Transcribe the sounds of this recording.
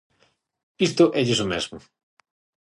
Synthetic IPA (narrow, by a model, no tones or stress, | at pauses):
ist̪ʊʔɛʎɪsomɛzmʊ